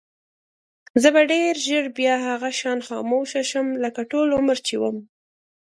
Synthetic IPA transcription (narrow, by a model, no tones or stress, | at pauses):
zəbaɖeɾʒəɽbjɑɦaɣaʃɑnxɑ̰moʃaʃəmləkaʈolʊməɾt͡ʃiwəm